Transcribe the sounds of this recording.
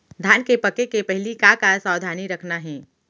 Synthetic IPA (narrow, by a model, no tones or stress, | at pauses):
d̪ʱaːnkepɐkekepɛɦlikakasaːwd̪ʱaːniɾɐkʰnaɦɛ̃ː